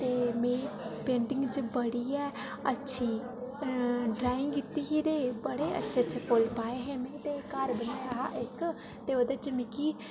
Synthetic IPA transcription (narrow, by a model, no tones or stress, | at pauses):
t̪eːmẽːpẽːɳɖɪŋɡt͡ʃəbəɽiːɛː | ətːʃʰiː | ɖɾaːɪ̃ŋɡɡɪt̪ːiːɦiːd̪eːbəɽeːʔə̰tːʃʰet͡ʃʰekoːlpaːeːɦẽːmẽːt̪eːkəɾbənaːɾəɦa̰ʔɪk | t̪eːoːd̪et͡ʃəmɪkiː